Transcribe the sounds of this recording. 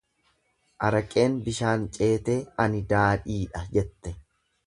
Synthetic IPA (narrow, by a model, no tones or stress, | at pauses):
ʔɐɾɐkʼe̞ːnbɪʃaːnt͡ʃʼe̞ːt̪e̞ːɐnɪd̪aːᶑiːᶑɐd͡ʒɛt̪ːɛ